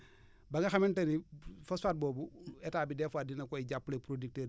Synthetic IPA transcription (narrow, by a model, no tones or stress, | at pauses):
baŋɡɐxamentɐnifɐsfaːt̚boːbuetaːbidefadinɐkoiɟapːulepɾodik̚teː